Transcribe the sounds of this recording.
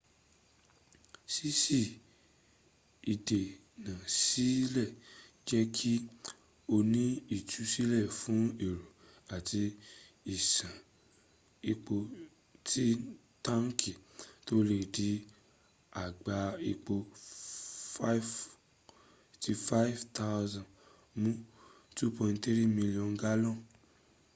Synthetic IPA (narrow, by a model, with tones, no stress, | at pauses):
si˦si˦˨ | i˨de˨ | nã˨si˦lɛ˦˨ | d͡ʒɛ˦kʰi˦ | o˧nĩ˦i˦˨tu˨˦si˦lɛ˦˨fũ˨˦e˦˨ɾo˨ | a˨ti˧ | i˨sã˨ | i˧k͡po˧ | tʰi˦ | ta˦ŋ̩˦kʰi˨to˦le˨di˧ | a˨ɡ͡ba˧i˧k͡po˧˦ | ti˧fa˦vta˧˦wzã˨ | mũ˦ | tu˦pɔ̃˧nte˦ɾi˦mĩ˧li˦ɔ̃˧nɡa˦lɔ̃˦˨